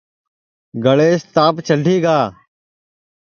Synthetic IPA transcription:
ɡəɭeːst̪aːpt͡ʃəɖʱiːɡaː

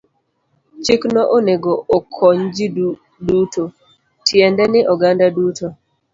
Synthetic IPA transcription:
t͡ʃiknɔʔoneɡookʰɔɲd͡ʒi | duto | tʰjɛndɛnɪʔɔɡandaduto

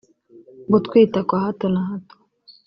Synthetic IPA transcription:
ɡut̪kʰwiːtakwahatonahato̥

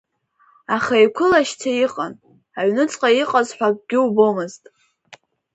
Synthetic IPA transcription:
aχaikʷʰʊlaʃtʰaiqʼan | aʕnɨt͡sʼqʼaiqʼazħʷᶣak̚ʼɡʲɪwbomɨztʼ

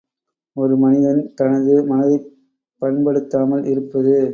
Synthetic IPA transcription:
ɔɾɯmɐnɪðɐnt̪ɐnɐðɯmɐnɐðɐɪ | pːɐɳbɐɽɯt̪ːaːmɐlɪɾɯpːɐðɯ

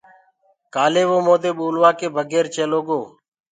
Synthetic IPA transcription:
kaːleːʋoːmoːd̪eːɓoːlʋaːkeːbʱəɡeːɾt͡ʃeːloːɡoː

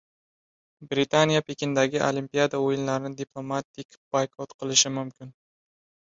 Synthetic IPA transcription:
bɾɪt̪ʰanijapʰekʲɪnd̪aɡʲɪʔolimpʲijad̪aojɪnlaɾɪnɪd̪ipʰlˠo̞mat̪ʰɪkʲb̥ajkʰɒt̪qʰɨlˠɪʃɪmʊmkʲʰɪn

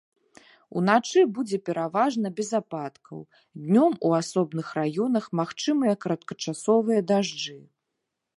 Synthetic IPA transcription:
ṵnat͡ʂɨbud͡zʲɛpʲɛɾavaʐnɐbʲɛzapat̪kɐ̰w | d̪ʲnʲɔmuasɔbnɨxrajɔnɐxmaxt͡ʂɨmɨjɐkɐɾɐt̪̚kɐt͡ʂasɔvɨjɐd̪aʐd͡ʐɨ

